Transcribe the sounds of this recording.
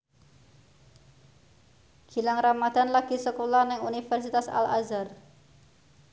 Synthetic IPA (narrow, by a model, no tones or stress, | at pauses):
ɡ̥i̤laŋramad̪̥a̤nlaɡ̥i̤səkolanɛŋunifɛrsit̪asa̰la̰zar